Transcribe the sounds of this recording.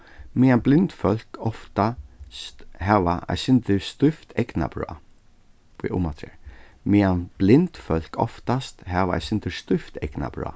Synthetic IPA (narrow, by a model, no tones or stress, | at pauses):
mɪanblɪnt̪fœl̥kɔft̪a | hɛʋaʔɛ̰sɪnt̪ɪst̪ʏft̪ʰɛkna̰b̥ɹɔ̰ː | pḭʔʊ̰mat̪ʰɾɛɹmɪanb̥lɪnt̪fœl̥kɔ̰ft̪ast̪hɛʋaɛ̰jsɪnt̪ɪst̪ʏft̪ɛkna̰bɹɔ̰ː